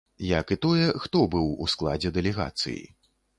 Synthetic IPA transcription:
jɐkɨt̪ɔjɛxt̪ɔbɨwusklˠa̰d͡zʲɛd̪ɛlʲɛɣa̰t̪sɨ̰jḭ

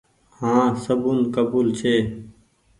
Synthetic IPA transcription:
hãːsəbunkəbuːlt͡ʃʰeː

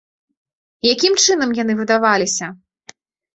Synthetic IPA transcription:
jakʲimt͡ʂɨn̪ɐmjan̪ɨvɨd̪avalʲisʲɐ

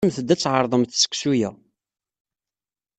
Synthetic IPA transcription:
mθəd̪ːæt͡sːʕəɾˤðˤəmθsə̥kʷːsujæ

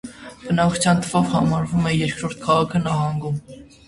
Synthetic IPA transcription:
b̥ənɑkʰu̥t͡sʰjɑnt̪ʰəvɔvhɑmɑɾvumɛjɛɾkʰɾɔɾt̪̚kʰɑʁɑkʰənɑɦɑŋɡum

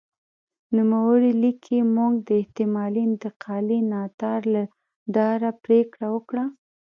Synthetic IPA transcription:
numawəɽilikʰimuŋɡd̪əɪht̪ɪmɑliɪnt̪ɪqʰɑlinɑt̪ɑɾla | ɖɑɾapɾekɽawəkɽa

